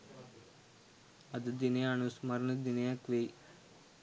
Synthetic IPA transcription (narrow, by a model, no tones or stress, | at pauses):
ɐd̪ɨd̪ineaɳusmɐɾnɨd̪inejakʋej